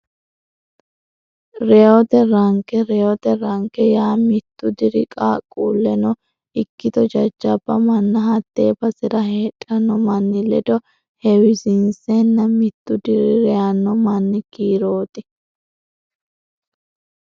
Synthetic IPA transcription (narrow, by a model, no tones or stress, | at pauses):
ɾɛɔt̪ɛɾɐŋkɛɾɛɔt̪ɛɾɐŋkɛjaːmɪt̪ːʊd̪ɪɾɪkʼaːkʼːuːlːɛnɔ | ɪkːɪt̪ɔd͡ʒɐd͡ʒːɐbːɐmɐnːɐɦɐt̪ːeːbɐsɪɾɐheːᶑʼɐnːɔmɐnːɪlɛd̪ɔ | hɛwɪsɪnsɛnːɐmɪt̪ːʊd̪ɪɾɪɾɛanːɔmɐnːɪkiːɾoːt̪ɪ